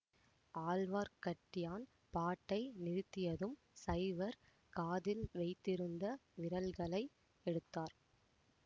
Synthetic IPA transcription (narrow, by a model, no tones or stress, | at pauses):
aːlʋaːɾkɐʈːɪjaːn | paːʈːɐɪnɪɾɯt̪ːɪjɐðɯm | sɐɪʋɐɾ | kaːðɪlʋɐɪt̪ːɪɾɯnd̪ɐʋɪɾɐlɣɐɭɐɪ | ɛɽɯt̪ːaːɾ